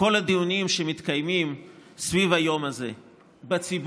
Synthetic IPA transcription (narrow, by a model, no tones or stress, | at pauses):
o̞lad̪ijunimʃemit̪kajmimsvivajo̞mazḛ | bet͡sib